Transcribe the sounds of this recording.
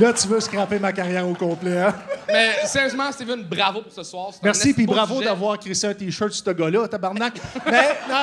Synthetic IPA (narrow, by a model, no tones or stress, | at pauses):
lʌt̪yvøskʁapemakaʁjɛːʁokɔ̃ːplɛãmɛsɛʁjøzmɑ̃st̪ivɛ̃nbʁavopʊʁsəswɑːʁsmɛʁsipibʁavod̪avwɑːʁkʲʁisɛ̃t̪iːʃœ˞t̪su̥t̪əɡɔlɔat̪abaʁnak̚mɛn